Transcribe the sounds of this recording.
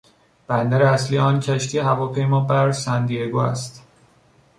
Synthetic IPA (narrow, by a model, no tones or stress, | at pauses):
b̥ænd̪æɾeæsliːjeɒːncʰæʃt̪ʰiːehævɒːpʰe̞jmɒːbæɾsænd̪ijeɡuːæ̰st̪